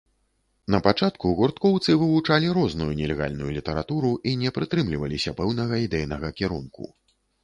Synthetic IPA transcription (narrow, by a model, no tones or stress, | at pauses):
nɐpat͡ʂat̪kuɣurt̪kɔwt̪sɨvɨvut͡ʂalʲiɾɔznujunʲɛlʲɛɣa̰lʲnujulʲit̪ɐɾa̰t̪uɾuʔinʲɛpɾɨt̪ɾɨmlʲivɐlʲisʲɐpɛwnɐɣɐid̪ɛjnɐɣɐkʲɛɾunkṵ